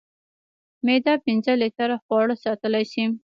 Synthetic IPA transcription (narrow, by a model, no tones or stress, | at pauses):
med̪ɑpɪnzəlit̪aɾaxwɑɽəsɑt̪əlajʃim